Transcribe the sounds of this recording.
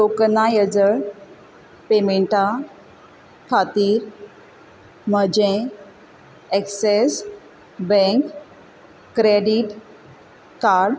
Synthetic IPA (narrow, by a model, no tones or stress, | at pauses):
loknajəd͡zəɭ | pemeɳʈa | kʰat̪iːɾ | məd͡ʑẽ | ekses | bɛ̃ŋk | kɾeɖiʈ | kaɾɽ